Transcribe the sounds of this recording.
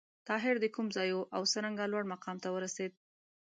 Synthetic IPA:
t̪ɑɦɪɾd̪əkumzɑjoʔawsəɾaŋɡalwaɽmaqɑmt̪awəɾased̪̚

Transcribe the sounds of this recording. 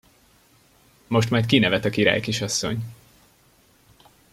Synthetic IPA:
mo̞ʃ̬t̪mɒjt̪̚kinɛvɛt̪ɒkiɾa̰ːjkiʃɒsːo̰ɲ

